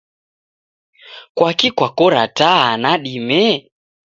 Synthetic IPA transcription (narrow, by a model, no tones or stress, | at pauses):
kwakikwakɔɾataɦanaɗimɛ